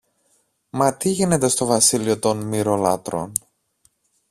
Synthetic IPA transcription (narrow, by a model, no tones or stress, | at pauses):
mɐt̪iʝine̞t̪e̞st̪o̞vɐsilio̞t̪o̞nmiɾo̞lɐt̪ɾo̞̰n